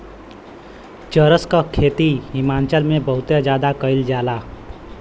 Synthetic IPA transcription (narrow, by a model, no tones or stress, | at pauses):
t͡ʃəɾəskəkʰːet̪iɦimaːnt͡ʃəlmẽbəɦʊt̪jed͡ʒjad̪akəɪld͡ʒaːla